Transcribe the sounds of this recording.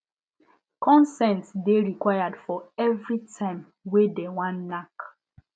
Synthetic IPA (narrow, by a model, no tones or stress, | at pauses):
kɔ̃nsɛ̃ntsdeɹikwajadfɔɛvɹitʰãɪ̃m | wedewãnːak